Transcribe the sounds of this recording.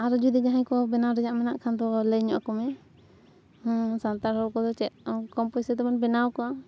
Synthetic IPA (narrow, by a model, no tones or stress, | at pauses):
aɾɔd͡ʒud̪id͡ʒaɦãjkɔbɛnawɾɛd͡ʒaʔmɛnaʔkʰand̪ɔləjɲɔʔakɔmɛ | hsant̪aɾhɔɾkɔd̪ɔt͡ʃɛt̪̚kɔmpɔjsɛt̪ɛbanbɛnawkɔa